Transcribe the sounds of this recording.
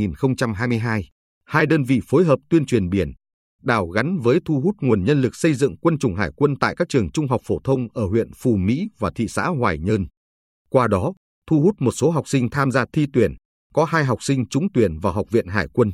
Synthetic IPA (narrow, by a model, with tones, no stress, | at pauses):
i˨˩nxə˧wŋ͡mt͡ɕa˧mɦaː˧jmɨ˧əjɦaː˧j | haː˧jɗəː˧nvḭ˧˨fo˨˦jɦəː˨˩p̚t̪wi˧ənt͡ɕwi˨˩ənɓi˧˩ən | ɗaː˧˩wɣa˨˦nvəː˨˦jt̪ʰu˧ɦu˦˥t̚ŋu˨˩ənɲə˧nlɨ˨˩k̚sə˧jzɨ̰˧˨ŋkwə˧nt͡ɕʊ˨˩ŋ͡mɦaː˧˩jkwə˧nt̪a̰ː˧˨jkaː˦˥k̚t͡ɕɨ˨˩əŋt͡ɕʊ˧ŋ͡mɦa˨˩k͡p̚fo˧˩t̪ʰə˧wŋ͡mʔəː˧˩ɦwḭ˧˨ənfu˨˩mḭ˧˥vaː˨˩t̪ʰḭ˧˨sa̰ː˧˥ɦwaː˨˩jɲəː˧n | kwaː˧ɗɔ˨˦ | t̪ʰu˧hu˦˥t̚mo˨˩t̚so˨˦ɦa˨˩wk͡p̚sï˧ŋt̪ʰaː˧mzaː˧t̪ʰi˧t̪wi˧˩ən | kɔ˨˦haː˧jɦa˨˩wk͡p̚sï˧ŋ̟t͡ɕʊ˨˦ŋ͡mt̪wi˧˩ənvaː˨˩ɦwk͡p̚vḭ˧˨ənɦaː˧˩jkwə˧n